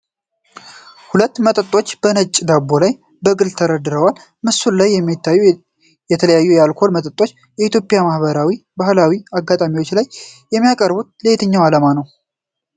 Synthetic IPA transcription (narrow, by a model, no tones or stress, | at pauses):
hulət̪ːmət̪ʼət̪ʼːo̞t͡ʃːb̥ənət͡ʃʼːd̪abo̞laj | bəɡɨlt̪ʰəɾəd̪ɨɾəwal | mɨsullajːɛmːit̪ʰːajːu | jɛt̪ʰələjajːujɛalkʰo̞lmət̪ʼət̪ʼo̞t͡ʃː | jɛit̪ʰjo̞pʼɪjamahbəɾawibahlawiaɡːat̪ʼamiwo̞t͡ʃːlajː | ɛmːijakʼəɾbut̪̚lejt̪ʰɨɲːawalamanəw